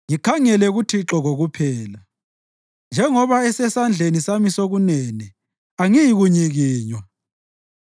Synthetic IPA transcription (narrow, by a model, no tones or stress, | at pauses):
ŋikʰaŋɛlɛɣutʰiǁɔɣoɣupʰɛːla | nd͡ʒʱɛŋɔβaɛsɛsand͡ɮʱenisamisoɣunɛnɛ | aŋijiɣuɲiɣiːɲwa